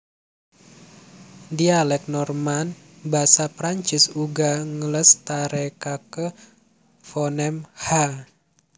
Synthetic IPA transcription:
dialɛk̚nɔrman | basapɾaɲt͡ʃɪsuɡaŋələst̪aɾekakə | fɔnɛmha

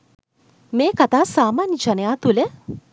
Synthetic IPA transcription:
meːkat̪aːsaːmaːnjəd͡ʒanəjaːt̪ulə

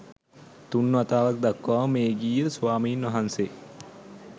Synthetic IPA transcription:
t̪unːuat̪aːʋak̚d̪akːʋaːʋmeːɡiːəsuʋaːmiːnʋaɦanseː

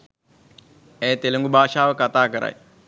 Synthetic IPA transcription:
eːt̪elɐŋɡubʱaːʃaːʋəkɐt̪aːkəɾa̰j

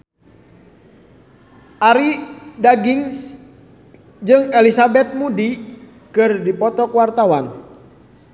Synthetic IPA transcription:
ʔaɾidaɡiŋs | d͡ʒɨŋɛlisabɛt̪̚mudi | kɨrdipɔt̪ɔkwart̪awan

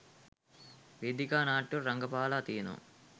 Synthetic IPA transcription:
ʋed̪ikaːnaːʈːuɾɐŋɡɐpaːlaːt̪iːnṵ

